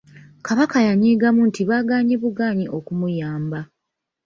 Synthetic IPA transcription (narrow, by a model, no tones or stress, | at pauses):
kaβakajaɲiːɡamuntiβaːɡaːɲeβuɡaːɲiʔo̞kumujaːmba